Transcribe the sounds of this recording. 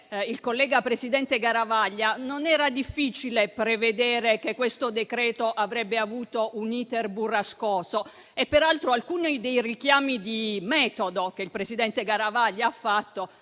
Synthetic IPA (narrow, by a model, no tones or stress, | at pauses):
ilkolːɛːɡapɾesid̪ɛnt̪eɡaɾavaʎːanonɛːɾad̪ifːiːt͡ʃilepɾeved̪ɛːɾekekːwest̪od̪ekɾɛːt̪oʔavɾɛbːeavuːt̪oʔuniːt̪erburaskɔːso | epːeɾalt̪ɾoalkuːnid̪ejrikjaːmid̪imɛːt̪od̪ok̟eilpɾesid̪ɛnt̪eɡaɾavaʎːaafːat̪ːo